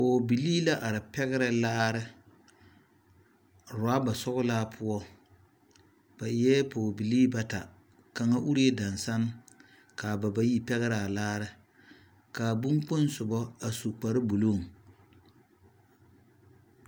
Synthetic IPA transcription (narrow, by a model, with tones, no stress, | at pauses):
poː˨bi˨liː˦la˦ʔa˨ɾɨ˨pɛ˦ɣɪ˦ɾa˦laː˦ɾɪ˦ | ɾa˦ba˨sɔ˦ɣʊ˦laː˦pʰʊ˦ɔ˦ | b̥a˨˦ɛ˦poː˨bi˨liː˦ba˦ta˨ | ka˨ŋa˦ʔu˦ɾi˦e˦da˨nsa˦n˦ | kaː˨ba˨ba˦ji˦pɛ˦ɣɪ˦ɾa˨a˨laː˦ɾɪ˦ | kaː˨bu˦ŋk͡pʊ˦n˦sʊ˨bɔ˦a˨su˨k͡pa˨ɾɨ˦bu˨lu˦˨ŋ